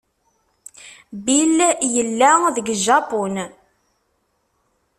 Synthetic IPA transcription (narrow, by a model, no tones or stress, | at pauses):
biljəlːæðəɡʒɑpɔn